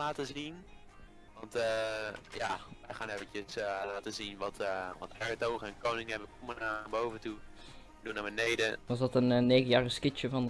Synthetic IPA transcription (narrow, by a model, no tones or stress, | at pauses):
laːtəzin | ʋɔntəjaʋɛjχaːnevət͡ʃəslaːtəzinʋɔtʋɔthɛɹtowχəɛnkownɪŋɛvəkomənabowvəntu | dunaːɹbənejdəʋɔs̬dɔtənnːeːɣəjaːrɪskɪt͡ʃjəfɔn